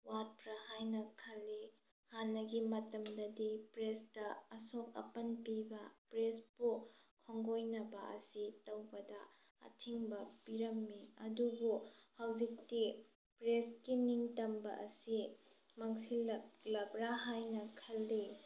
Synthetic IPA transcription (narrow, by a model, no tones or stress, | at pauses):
wat̚pɾahajnɐkʰɐlːi | hanːɐɡimɐtɐmdɐdipɾestɐɐsok̚ɐ̰pɐnpibɐpɾespukʰoŋɡojnɐbɐ̰ʔɐ̰sitɐwbɐdɐ | ɐ̰tʰiŋbɐpiɾɐmːiɐdubuhawzik̚ti | pɾeskiniŋtɐmbɐ̰ʔɐsi | mɐŋsilɐklɐbɾaɦajnɐkʰɐlːi